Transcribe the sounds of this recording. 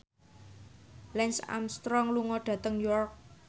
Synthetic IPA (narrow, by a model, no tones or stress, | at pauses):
lɛnsa̰mst̪ɾɔŋluŋɔɖ̥ä̤t̪əŋjɔrk̚